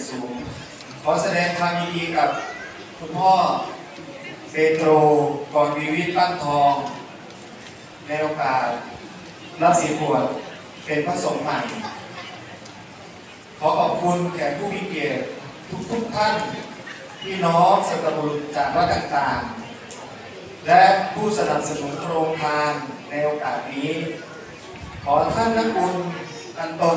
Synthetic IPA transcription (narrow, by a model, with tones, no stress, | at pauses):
suː˨˩˦ŋ | kʰɔː˨˩˦sa˧dɛː˧ŋpʰaː˧mjiː˧diː˧ka˨˩p̚ | kʰu˧˥˩mɔː˥˩ | peː˧t̪ɾoː˧kɔː˨˩nwiː˧wi˦˥˩t̪̚paː˧˥˩ŋt̪ʰɔː˧ŋ | na˧˥jʔoː˧kaː˨˩t̪̚ | la˦˧˥si˨˦pʰu˨˩ət̪̚ | pe˧npʰa˧so˨˩˦ŋma˨˩j | kʰɔː˩˦ʔɔː˨˩p̚kʰu˧nkʰɛː˨˩˦npʰuː˥˩mi˧˥˩ke˨˩ət̪̚ʰː | u˦˥k̚t̪ʰu˦˥k̚t̪ʰa˥˩n | pʰiː˥˩nɔː˦˥ŋsa˧˦t̪ːa˧bu˨˧nt͡ɕaː˨˩k̚laː˦˥˩t̪aː˨˩ŋt̪aː˨˩ŋ | lɛ˦˥ʔpʰuː˥˩sa˧na˨˩p̚sa˧nu˩˦nkʰɾoː˧ŋkʰaː˧nː | a˧jʔoː˧kaː˨˩t̪̚niː˦˥ | kʰɔː˩˦t̪ʰa˥˩nːa˦˥kʰu˧n | ʔ̪a˧nt̪o˧